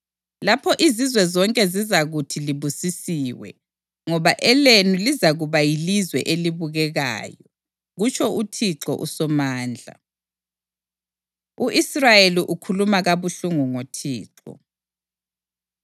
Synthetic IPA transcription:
lapʰɔʔizizwɛzɔŋkʼɛzizaɣutʰiliβusisiwɛ̰ | ŋɔβaʔɛlenulizaɣuβajilizwɛ̰ʔeliβuɣɛɣa̰ːjɔ | ɣut͡ʃʰʼɔutʰiǁɔ̰ʔṵsɔmaːnd͡ɮʱa̰ | uʔisrajeliʔukʰulumaɣaβuɬuŋuŋotʰḭːǁɔ̰

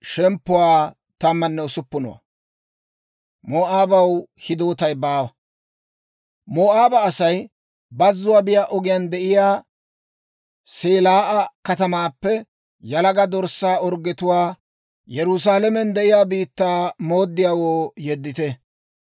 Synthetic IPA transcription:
ʃɛmpːʊwaː | t̪ɐmːɐnːɛʊsʊpːʊnɔ̰wɐ̰ | moːʔaːbɐwhɪd̪oːt̪ɐjbaːwɐ | moːʔaːbɐːsɐj | bɐzːʊwaːbɪjaːʔɔɡɪjand̪ɛʔɪjaː | seːlaːʔɐkɐt̪ɐmaːpːɛ | jɐlɐɡɐd̪ɔɾsːaːɔɾɡːɛt̪ʊwaː | jɛɾʊs̬aːlɛmɛnd̪ɛʔɪjaːbiːt̪ːaːmoːd̪ːɪjaːwoːjɛd̪ːɪt̪ɛ

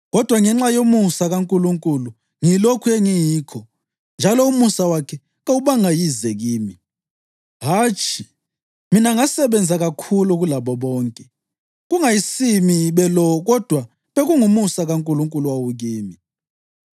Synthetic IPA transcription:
ɣɔd̥ʱwaŋɛŋ͡ǁajomusaɣaŋkʼuluŋkʼulu | ŋilokʰuɛŋijiːkʰɔ | nd͡ʒʱalɔumusawakʰɛ | ɣawuβaŋajizɛɣiːmi | ɦaːt͡ʃʰʼi | minaŋasɛβɛnd͡zʱaɣakʰuluɣulaβɔβɔːŋkʼɛ | ɣuŋajisimiβɛlɔɣɔd̥ʱwa | βeɣuŋumusaɣaŋkʼuluŋkʼuluwawuɣiːmi

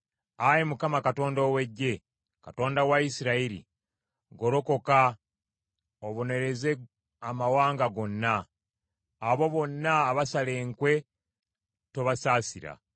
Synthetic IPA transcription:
ajemukamakato̞ːndoːwe̞ɟːe̞ | kato̞ːndawaisiɾaiɾḭ | ɡo̞ɾo̞ko̞ka | oβo̞ne̞ɾe̞ze̞ | amawaːŋɡaɡo̞nːaː | βo̞βo̞nːaːβasale̞ːŋkwe̞ | toβasaːsiɾa̰

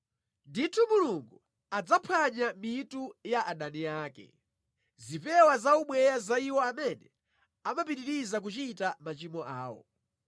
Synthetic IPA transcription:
nditʰumuluŋɡu | ad͡zapʰaɲamitujaʔaɗaniaːkɛ̰ | zipɛwazauɓwɛjazaiwɔamɛnɛ | amapiɾiɾizak̬ut͡ʃitamat͡ʃimɔʔaːwɔ̰

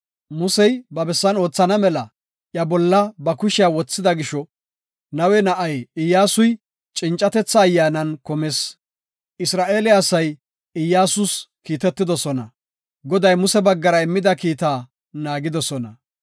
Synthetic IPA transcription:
mʊsɛjbɐbɛsːɐno̞ːt͡sːɐnɐmɛlɐ | ʔjɐbɔlːɐbɐkʊʃɪawɔt͡sːɪd̪ɐɡɪʃɔ | nɐwɛnɐʔɐjɪjːaːsʊj | t͡ʃʼɪnt͡ʃʼːɐt̪ɛt͡sːɐːjːaːnɐnkɔmeːs | ʔɪsɾaːʔe̞ːlɪɐsɐj | ɪjːaːsʊskiːt̪ɛt̪ːɪd̪ɔsɔnɐ | ɡɔd̪ɐjmʊsɛbɐɡːɐɾɐɪmːɪd̪ɐkiːt̪aː | naːɡɪd̪ɔsɔnɐ

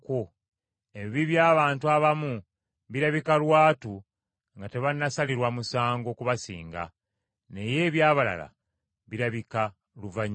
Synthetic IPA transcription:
ko | eβiβiβjaːβaːntuaβamu | βiɾaβikalwaːtu | ŋɡate̞βanːasaliɾwamusaːŋɡo̞ːkuβasḭːŋɡa̰ | ne̞je̞ːβjaːβala̰la̰ | βiɾaβika | luvaɲ

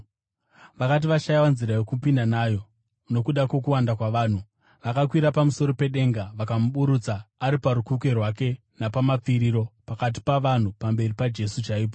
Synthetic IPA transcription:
ʋakat̬iʋaʃajawanziɾajo̞kupindanaːjo̞ | no̞kuɗako̞k̬uwandakwaʋaːn̤u | ʋakakwiɾapamuso̞ɾo̞pe̞ɗe̞ŋɡaʋakamuɓuɾut͡saːɾipaɾukuke̞rwake̞ | napamap͡fiɾiɾo̞pakat̬i̥paʋan̤upambe̞ripad͡ʒe̞sut͡ʃaiːp̬o

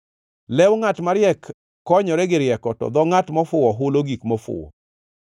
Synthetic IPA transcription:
lɛwŋatmaɾjɛkː | ɔɲɔɾɛɡɪɾjɛkɔtɔ̰d̪ɔŋatmɔfʊwɔɦʊloɡikmɔfʊ̰wɔ̰

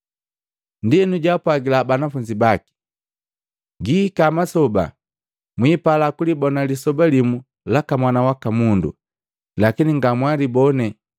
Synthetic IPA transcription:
ndinuɟapwaɡilabanafuɲd͡ʒibaki̥ | ɡikamasɔba̰ | mwiːpalakulibɔnalisɔbalimu | lakamwanawakamundṵ | lakiniŋɡamwalibɔnɛ

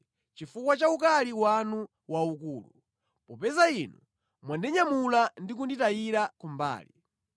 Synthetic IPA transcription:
t͡ʃifukwat͡ʃaukaliwanu | waukuːlu | pɔpɛzainṵ | mwandɛɲamulandik̬unditajiɾakumba̰ːlḭ

